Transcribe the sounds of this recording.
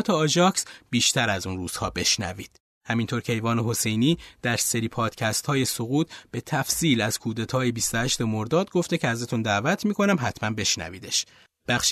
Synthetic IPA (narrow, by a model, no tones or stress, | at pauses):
t̪ʰeɒd͡ʒɒːksb̥iːʃt̪ʰæɾæzuːnruːz̥hɒːbe̞ʃnæ̰viːd̪̥̚ | hæmint̪ʰoːɾcʰe̞jvɒːneɦo̞se̞jniːd̪̥æɾse̞ɾiːpʰɒːd̪̥cʰæst̪hɒːje̞soɣuːt̪̚ʰb̥e̞t̪ʰæfsiːlæz̥kʰuːd̪et̪ʰɒːjebist̪ohæʃt̪emo̞ɾd̪ɒːd̪ɡo̞ft̪e̞cʰeæzæt̪ʰund̪æːvæt̪ʰmiːkʰo̞næmɦæt̪ʰmænbe̞ʃnæ̰viːd̪e̞ʃ | b̥æxʃ